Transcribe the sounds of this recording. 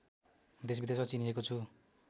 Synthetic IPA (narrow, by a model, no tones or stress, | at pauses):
d̪esbid̪esmat͡siniekot͡sʰu